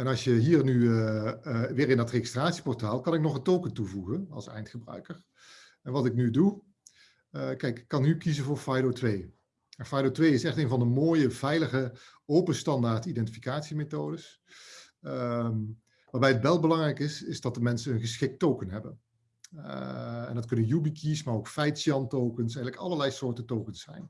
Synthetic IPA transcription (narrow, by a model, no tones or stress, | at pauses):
ɛnɑlˠsjəɦiːɹnyəʋɪːɹɪndɑtreχɪstraːtsi̥pɔɹtaːlˠkɑnɪknɔχəntowkəntuvuɣənɑ̰lˠsɛ̰jntχəbrœ̰ɥkəɹ | ɛnʋɑtɪknydu | kɛjkɪ̥kːɑnykizənvʊːɹfajdotʋej | mafajdotʋejɪsɛχteːnvɑndəmoːjəvɛjləχə | owpəstɑndaːɹtidɛntifikaːtsimetoːdəs | m | ʋaːɹbɛjətʋɛlˠbəlɑŋrɛjkɪsɪzdɑt̚dəmɛnsənɦɵnχəsχɪk̚towkənɦɛbən | ɛ̰ndɑtkɵnənjubikʰismaːrowkfɛjtsiɑntowkənsɛjɣələkɑ̰lˠəɹlɛjsʊːɹtəntowkənsɛ̰jn